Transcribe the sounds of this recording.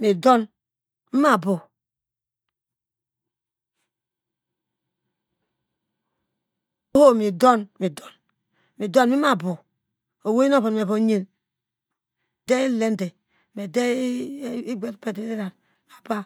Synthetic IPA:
mi˨do˦n | m̩˦ma˨bo˨ | o˦ho˦˨mi˨do˦nmi˨do˨n | mi˨do˦nmi˦ma˦˨bo˨ | o˨we˦i˦o˦bo˨me˨βo˨˦ɲe˦n˨ | de˦i˦le˦nde˨ | me˨de˦i˦ɡʷe˦tpe˦de˨˦e˦ɾa˨n | a˨ba˦

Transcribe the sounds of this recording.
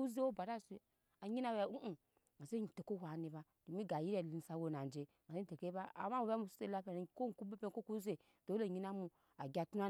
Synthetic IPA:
u˦ze˦wo˦ba˨ɾa˦˨se˨ | a˨ɲi˦na˦wa˨u˦ʔu˦ | ma˨se˦i˨te˨ko˦wa˨ni˨ba˨ | d̥o˨mi˦ɡa˨ji˦ɾe˦˨li˨n˨sa˨˦wo˨na˨nd͡ʒe˨ | m˨se˦n˦te˨ke˦ba˦a̰˨ma˦u˨ba˦mu˦˨su̥˦se˦la˦pe˨n˨ko˦˨ku˦be˦pe˦ŋko˦ku˦ze˦˨ | d̥o˨˦o˦˨ɲi˦na˦mu˨ | a˨ɡʲa˨tu˦a˦

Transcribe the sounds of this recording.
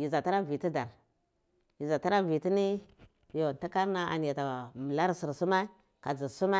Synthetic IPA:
ji˨za˨ta˦ɾa˦vi˨ti˦da˨ɾ | ji˨za˨ta˦ɾa˦vi˨ti˦ni˦ | jo˨n˨ta˦ka˦ɾna˨a̰˨n˨ja˨ta˨mə˨la˦ɾsi˨ɾsu˦ma˦ | ka˨d͡zi˨su˦ma˦

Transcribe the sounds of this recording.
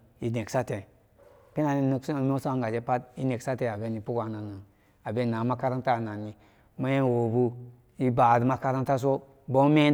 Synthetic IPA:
i˨ne˨ksa˦te˨ | pi˦na˨ni˦nə˦ksu˦o˨m˦o˦sa˦ŋ˨ɡa˨d͡ʒe˦pa˦t̚i˦ne˨ksa˦te˨a˨be˦ni˨pu˦kʷa˨na˨na˨ | a˨be˦nːa˨˦ma˦ka˦ɾa˦ŋta˦˨na˨ni˨ | ma˦je˦˨wo˨bu˦ | i˦ba˨dma˦ka˦ɾa˦nta˦s̬o˦ | bo˦me˦

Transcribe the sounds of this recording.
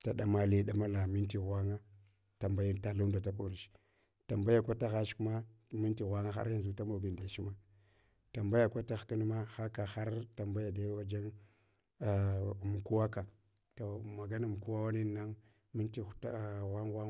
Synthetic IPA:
ta˨ɗa˦ma˨li˦ɗa˦ma˦la˨mi˦nti˨ɣʷa˦ŋa˦ | ta˨mba˦jta˨lu˦nda˨ta˦ko˨ɾi˨ʃ | ta˨mba˦ja˨kʷa˦ta˦ɣa˦t͡ʃku˦ma˦ | mi˦nti˨ɣʷa˦ŋa˦xa̰˦ɾi˦nzu˨˦ta˦ma˨ɡi˨n˨da˨ʃi˦ma˦ | ta˨mba˦ja˨kʷa˦ta˦xki˦n˦ma˦xa˦ka˨xa˦ɾta˨mba˦ja˨da˦wa˦d͡ʒa˦ŋ˨ | m˨ku˦wa˦ka˨ | to˨ma˨ɡa˦na˨m˨ku˦wa˦wa˦ni˦na˦ŋ | mi˦nti˦ta˦˨ɣʷa˦ŋɣʷa˦

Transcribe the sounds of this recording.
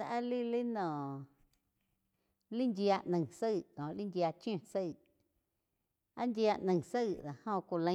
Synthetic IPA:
a˧ʔa˦li˦li˦nɔ̃˨ | li˦ndja˧ʔnə̃˨ŋsə˦˨kɔ̃˨li˦ndja˧t͡ʃj̃õ˧˨sə˦˧˨ | a˦ndja˧ʔnə̃˨ŋ˨sə˦˨ða˨hõ˧kʷu˨lə̃˧˦

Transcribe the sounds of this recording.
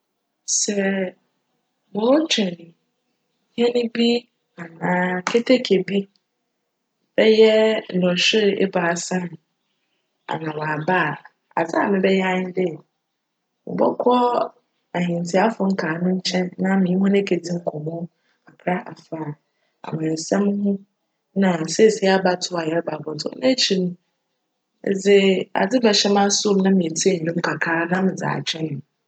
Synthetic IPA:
sɛ˦˨ | mʊ̃˨˦t͡ɕʰᶣɪ˨n˨ | hɛ˦nɪ̃˦bi˦ | a˨nãː˨˦kʰe˦tʰe˦kʰe˨bi˦ | b̥ɛ˦jɛ˦n̩˨ɔ̃˨ɕᶣɪ˦ɾʔɛ̰˦ba˨sã˦n˨ | a̰˨nã˨wa˨ba˦˨ | a̰˨za˦˨mɪ̃˦bɛ˦jɛ˦a˦ɲɪ˦dɪ˦˨ | mʊ̰˨bɔ̰˦kʰɔ˦ | a˨ɦĩ˨n˨tʰɪ˨a˦fʊ˨˦ŋ̩˦kʰaː˨nʊ̃˦ɲ̩˦t͡ɕʰɛ̃˦nːã˦mɪ̃˨˦hʊ̃˦nɛ̃˦kʰe˨d͡zi˦m̩˦kʰɔ˨mʊ̃˦ | a˨pʰɾa˦ʔa˨faː˦˨ | a̰˨mã˨sɛ̃˦m˦hʊ̃˦ | nã˨sɛ˦˨se˦a˦ba˦tʰʊ˦a˨jɛ˨ɾba˨bɔ˨tʰʊ̰˦nã˦t͡ɕʰi˨nũ˦ | d͡zɪ˦a̰˨d͡zɪ˦bɛ˨ɕɛ˦m˦ã˦sʊ˦˨m˦nã˦mĩ˨e˨tʰi˦e˦˨ɲ̩˨nʊ̃˦m̩˦kʰa˨kʰaː˦nã˦mɪ̃˨d͡za̰ː˨t͡ɕᶣʰɛ̃˦n˨

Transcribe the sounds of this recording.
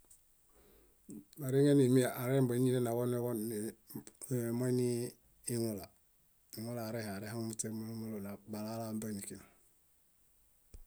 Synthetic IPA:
ma˨ɾi˦ŋe˦ni˨mi˦aʔa˨ɾe˦mbo˨˦ɲi˦ne˦na˨ɡo˦ne˦ɡo˦n | mo˦niː˦ | ŋula˨ | i˨ŋu˦laː˨ɾeha˨ɾe˦ha˦ŋmute˦ɾmuu˦mu˦lona˨ba˨la˦lamba˦ni˨kina˨

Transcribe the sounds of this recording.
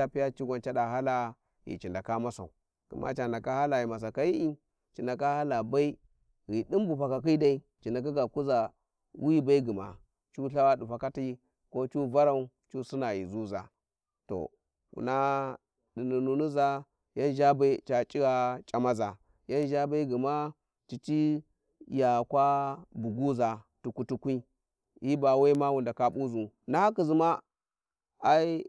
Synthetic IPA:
a˦pi˦ja˦t͡ʃi˦ɡʷa˨nt͡ʃa˦da˨ɦa˦la˦ | jḭ˨t͡ʃi˨nda˨ka˦ma˦sa̰˨u˨ | ɡ̥ḭ˨mʔa̰˦t͡ʃa˨nda˨ka˦ha˦la˨ji˨ma˨s̬a˨ka˨ji˦i˦ | t͡ʃi˨nda˨ka˦ha˦la˨ba˦i˦ | ɣi˨di˦mbu˨ɸa˨ka˨ki˦da˦i˦ | t͡ʃi˨nda˨k̬a˦ɡa˨ku˦za˨ | wi˦ba˦i˦ɡi˨ma̰˨ | t͡ʃu˦ɬa˦wa˦du˨ɸa˨ka˦ti˦ | ko˦t͡ʃu˦va˦ɾa˦u˦ | t͡ʃu˦su˦na˨jḭ˨zu˦za̰˨ | to̰˨ | wṵ˨na˦ | di˨nu˨nu˨nu˦za˦ | ja˦nʒa˦ba˦i˦t͡ʃa˨t͡ʃʼi˦ɡa˨t͡ʃʼa˨ma˦za˨ | ja˦nʒa˦ba˦i˦ɡi˨ma˦ | t͡ʃi˨t͡ʃi˦ | ja˨kʷa˦bu˨ɡu˦za˨tu˨ku˨tu˨kʷi˦ | ji˦ba˨wa˦ma˦wu˨nda˨ka˦ɓu˦zu˨ | na˦ha˦ki˨zi˨ma˦ | a˦i˦

